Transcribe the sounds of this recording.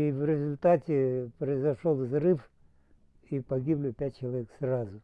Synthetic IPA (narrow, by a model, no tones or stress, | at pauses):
ivɾʲɪzʊlʲt̪atʲɪpɾəɪzɐʂolˠvzrɨf | ipɐɡʲiblʲɪpʲæt̚ʲt͡ɕɪlˠɐvʲeksrazʊ